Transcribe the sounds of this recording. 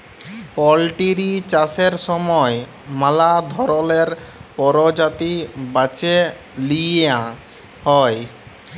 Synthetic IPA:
pɔlʈiɾit͡ɕaseɾʃɔmɔe | malad̪ʱɔɾoleɾpɔɾod͡ʑat̪ibat͡ɕe | lia | hɔe

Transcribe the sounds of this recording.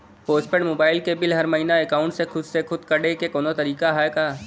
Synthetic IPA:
poːsʈpeɳmoːbaːɪlkebɪlɦɐɾmɐɦiːnaekaːʊ̃ɳʈsexʊd̪sexʰʊd̪kɐɽekekɔːnot̪ɐɾiːkaɦɛkaː

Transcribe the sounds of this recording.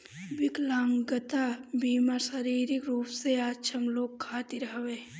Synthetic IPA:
bɪklãːŋɡət̪abiːmasəɾiːɾɪkɾuːpseaːtːt͡ʃʰəmloːɡkʰːaːt̪iɾəɦʋeː

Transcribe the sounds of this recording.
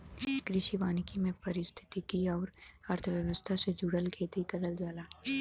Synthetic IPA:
kɾɪʃiʋaːnikimẽpɐɾɪst̪ʰɪ̥t̪ikiɔːɾɐɾt̪ʰəʋjəʋəst̪ʰased͡ʒuɽəlkʰeːt̪ikɐɾəld͡ʒaːlaː

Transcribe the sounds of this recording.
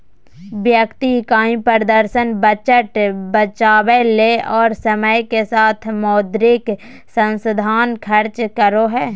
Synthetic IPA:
ʋjəkt̪ikaːĩpəɾd̪əɾʃənbət͡ʃəʈbət͡ʃaːweleʔɔːɾsəməjkesaːt̪ʰmɔːd̪ɾɪk | sə̃nsəd̪ʱaːnkʰəɾt͡ʃkəɾoɦɛː

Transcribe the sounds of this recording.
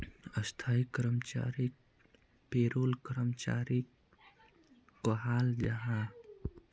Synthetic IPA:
əst̪ʰaːikɾəmt͡ʃa̰ːɾik | peɾoːlkəɾəmt͡ʃa̰ːɾik | oɦaːld͡ʒəɦã

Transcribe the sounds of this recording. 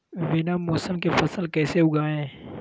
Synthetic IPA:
ʋɪnamoːsəmkefɐsəlkɛːseʊɡaːɛ̃ː

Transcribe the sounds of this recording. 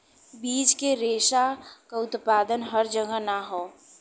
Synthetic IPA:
biːd͡ʒkeɾeːʃakaʊt̪paːd̪ənɦəɾd͡ʒəɡənaɦoː

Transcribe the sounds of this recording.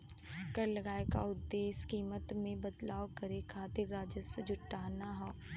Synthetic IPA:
kəɾlɐɡaːeka̰ʊd̪ːeːskiːmət̪mẽbəd̪laːʋkɐɾekʰaːt̪ɪɾːaːd͡ʒəsed͡ʒʊʈːaːnaɦoː

